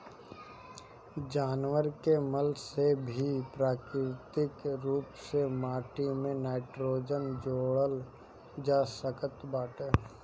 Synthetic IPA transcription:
d͡ʒaːnʋəɾkeməlsebʱipɾaːkɾɪt̪ɪkɾuːpsemaːʈimẽnaːɪʈɾoːd͡ʒənd͡ʒoːɽəl | d͡ʒaːsəkət̪baːʈeː

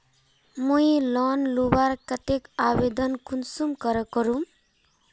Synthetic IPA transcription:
mujlɔnlubaɾkʌt̪ekabed̪ʌnkunsumkʌɾʌkʌɾum

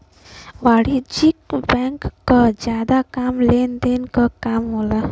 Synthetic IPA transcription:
ʋaɽid͡ʒikbɛŋkːɔd͡ʒjad̪akamlend̪enkəkamɦola

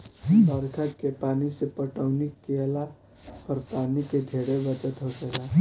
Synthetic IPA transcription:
bəɾkʰətkepaːnisepəʈəʊnɪkːeəla | pəɾpaːniked̪ʱeːɽebət͡ʃət̪ɦod͡ʒeɡaː

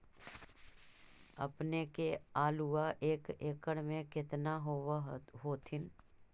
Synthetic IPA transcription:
ə̰pnekeaːluaʔeːkeːkəɽmẽkɪt̪naɦoɦoːt̪ʰɪn

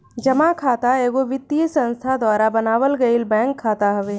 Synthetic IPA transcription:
d͡ʒɐmakʰaːt̪aeːɡoʋɪt̪ːijəsə̃nst̪ʰad̪waːɾabɐnaːʋəlɡɐilbɛ̃ːŋkʰːaːt̪aɦɐʋeː

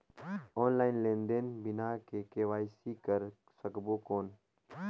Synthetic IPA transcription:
ɔːnlaːɪnlẽːnd̪eːnbɪnaːkekeːʋaːisikəɾ | səkbokoːn

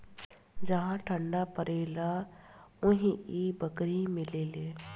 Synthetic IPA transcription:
d͡ʒɐɦãʈʰə̃ɳɖapəɾeːla | ʊɦĩibəkɾimɪleːleː

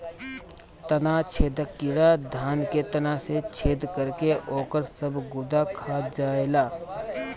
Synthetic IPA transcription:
t̪ənat͡ʃʰeːd̪əkːɪɾad̪ʱaːnket̪ɐnaset͡ʃʰeːd̪kəɾkeʔoːkəɾsəbɡʊd̪akʰaːd͡ʒaːelaː

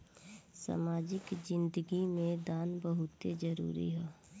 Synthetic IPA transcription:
sa̰maːd͡ʒɪkd͡ʒɪ̃nd̪əɡimẽd̪aːnbəɦʊt̪ed͡ʒəɾṵːɾḭɦɛː

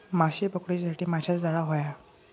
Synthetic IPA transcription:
maɕibəkɽet͡ɕsʰaʈiːmad͡ʑʰʱat͡sd͡zaɭaɦoja

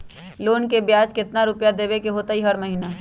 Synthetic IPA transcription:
loːnkebjaːd͡ʒkɪt̪naɾʊpjad̪eːʋekeɦoːt̪aɦiɦɐɾmɐɦinaː

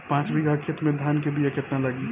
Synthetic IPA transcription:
pãːt͡ʃbiɡakʰet̪mẽd̪ʱaːnkebʱijekɪt̪nalɐɡi

